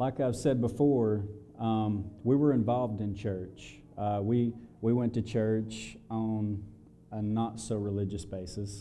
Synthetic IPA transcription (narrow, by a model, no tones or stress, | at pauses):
laɪkaɪv̥sɛd̚bəfɔɹ | wiwə˞ɨ̃ɱvɑlˠvdɨ̃nt͡ʃʰɜ˞t͡ʃ | wiwiwɛ̃ntɨt͡ʃʰɜ˞t͡ʃn | ənətsoʊɹɨlɪd͡ʒɨsb̥eɪsɨs